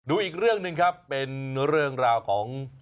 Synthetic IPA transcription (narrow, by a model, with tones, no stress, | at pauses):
duː˧ʔiː˨˩k̚ɾɯ˥˩əŋnɯ˧ŋkʰa˦˥pːe˧nɾɯ˥˩əŋɾaː˧wkʰɔː˩˦ŋ